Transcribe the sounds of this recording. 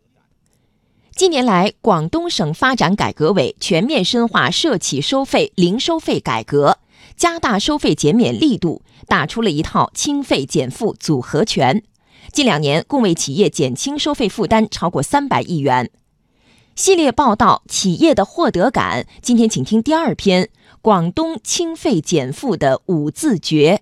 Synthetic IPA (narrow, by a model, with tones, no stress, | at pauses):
t͡ɕi˥˩njɛ˧˥nla˧˥ɪkwɑ˨˩ŋt̪ʊ˥ŋʂɤ˨˩ŋfa˥ʈ͡ʂa˧˥nka̰˨˩ɪkɤ˧˥we˨˩˦ɪt͡ɕʰɥɛ˧˥nmjɛ˥˧nʂə˥nxwa̰˥˩ʂɤ˥˩t͡ɕʰi˨˩ʂo˥ʊfe˥˩ɪli˧˥ŋʂo˥ʊfe˥˩ɪka̰˨˩ɪkɤ˧˥ | t͡ɕja˥t̪a˥˩ʂo˥ʊfe˥˩ɪt͡ɕjɛ˧˥nmjɛ˨˩nli˥˧t̪ṵ˥˩ | t̪a˨˩ʈ͡ʂʰu˥lə˨i˧˥t̪ʰɑ˥˩ʊt͡ɕʰi˥ŋfe˥˩ɪt͡ɕjɛ˨˩nfu˥˩t͡su˨˩xɤ˧˥t͡ɕʰɥɛ˧˥n | t͡ɕi˥˩nljɑ˨˩ŋnjɛ˧˥nkʊ˥˧ŋwe˥˩ɪt͡ɕʰi˨˩jɛ˥˩t͡ɕjɛ˨˩nt͡ɕʰi˥ŋʂo˥ʊfe˥˧ɪfu˥˩t̪a˥nʈ͡ʂʰɑ˥ʊkwɔ˥˩sa˥npa˨˩ɪʔi˥˩ɥɛ˧˥n | ɕi˥˧ljɛ˥˧pɑ˥˧ʊt̪ɑ˥˩ʊt͡ɕʰi˨˩jɛ˥˩d̪ə˩xwɔ˥˩t̪ɤ˧˥ka̰˨˩˦nt͡ɕi˥nt̪ʰjɛ˥nt͡ɕʰi˨˩ŋt̪ʰi˥ŋt̪i˥˧a˞˥˩pʰjɛ˥n | kwɑ˨˩ŋt̪ʊ˥ŋt͡ɕʰi˥ŋfe˥˩ɪt͡ɕjɛ˨˩nfu˥˩d̪ə˩u˨˩t͡sɹ̩˥˩t͡ɕɥɛ˧˥